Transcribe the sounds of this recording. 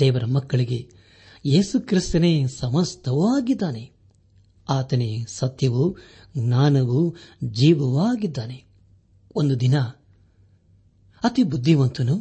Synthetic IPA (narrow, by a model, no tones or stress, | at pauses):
d̪̥ɛːʋɐɾɐmɐkːɐɭiɡe̞ | jeːsukɾist̪ɐneːsɐmɐst̪ʰɐʋaːɡid̪ːaːne | aːt̪ɐnesɐt̪jɐʋu | ɡnaːnɐʋud͡ʒiːʋɐʋaːɡid̪ːaːne̞ | ond̪ud̪inɐ | ɐt̪ibud̪ʱːiʋɐnt̪unu